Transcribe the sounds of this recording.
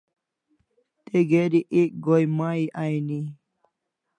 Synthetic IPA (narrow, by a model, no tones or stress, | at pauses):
t̪eɡeɾiʔek̚ɡojmaːiʔajni